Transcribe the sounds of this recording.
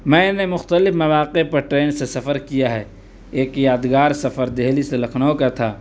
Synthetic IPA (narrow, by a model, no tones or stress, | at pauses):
mɛ̃ːnemʊxt̪əlɪfmɐʋaːqepɐɾʈɾeːnsesɐfəɾkijaɦɛː | eːkjaːd̪ɡaːɾsɐfəɾd̪eːliselɐkʰnaõkat̪ʰaː